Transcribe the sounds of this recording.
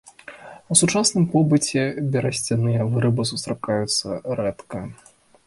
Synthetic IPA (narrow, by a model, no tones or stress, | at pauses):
usut͡ʂasnɨmpɔbɨt͡sʲɛbʲɛɾɐsʲt͡sʲanɨjɐvɨɾɨbɨsust̪ɾakajut̪sːɐɾɛt̪kɐ